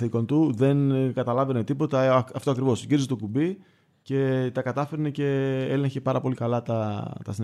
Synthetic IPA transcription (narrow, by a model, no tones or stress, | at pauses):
θiko̞nt̪uðe̞nkɐt̪ɐlɐve̞net̪ipo̞t̪ɐɐft̪oɐkɾivo̞sciɾizet̪okubi | ce̞t̪ɐkɐt̪ɐfe̞ɾnece̞ele̞ɲçepɐɾɐpo̞likɐlɐt̪ɐt̪ɐ̰sin